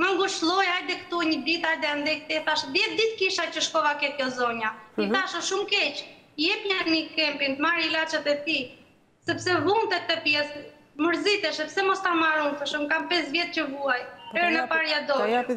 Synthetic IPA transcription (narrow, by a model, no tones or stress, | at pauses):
məŋɡuʃlˠɔjajd̪ɛkt̪uɲəd̪it̪ajd̪ɛand̪ɛk̚t̪ɛθaʃd̪jɛt̚d̪it̪kiʃacəʃkɔvakɛkjɔzɔɲaiθaʃɔʃumkɛc | jɛpɲaɾnikɛmpint̪maɾilat͡ʃat̪ɛt̪i | sɛpsɛvunt̪ɛt̪ːɛpjɛs | məɾzit̪ɛʃɛpsɛmɔst̪amaɾunfəʃumkampɛsvjɛt̪̚cəvuajɛɾnɛpaɾjad̪ɔj